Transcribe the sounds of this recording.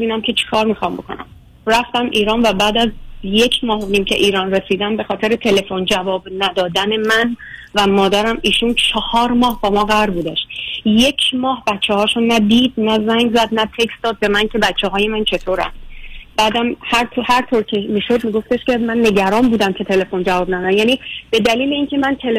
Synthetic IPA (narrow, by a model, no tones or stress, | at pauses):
ebiːnæmcʲʰe̞t͡ʃʰe̥kʰɒːɾmiːxɒmbo̞̰kʰo̞̰næ̰m | ræft̪æmʔiːɾɒːnvæbæːd̪æzje̞cʰmɒːhoniːmcʰe̞̰ʔiːɾɒːnre̞siːd̪æmbe̞xɒːt̪ʰe̞ɾet̪ʰe̞le̞fond͡ʒævɒːbnæd̪ɒːd̪æne̞mænvæmɒːd̪æɾæmiːʃunt͡ʃʰɒhɒːɾmɒːhbɒːmɒːɣæɾbuːd̪æʃjecʰmɒːhbætt͡ʃʰːehɒːʃunːæd̪iːd̪̚næzæŋɡzæd̪næp̪ʰe̞ksd̪ɒːd̪̚bemæncʰe̞bæt͡ʃʰːeɦɒːje̞mænt͡ʃʰe̞t̪ʰoːɾæ̰nb̥æːd̪æmhæɾt̪ʰhæɾt̪ʰoɾcʲʰemiːʃo̞d̪miːɡo̞ft̪e̞ʃcʲe̞mænːe̞ɟæɾɒːmbuːd̪æmcʰe̞t̪ʰe̞le̞fo̞nd͡ʒævɒːbnæd̪æmjæːnib̥e̞d̪æliːle̞iːncʰe̞mænt̪ʰele